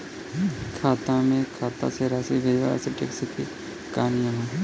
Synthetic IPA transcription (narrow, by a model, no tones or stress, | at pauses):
kʰaːt̪ãmẽkʰaːt̪a̰seɾaːsiʋɪd͡ʒwa̰sɪʈḛːksɪki | kaːnijãɦẽ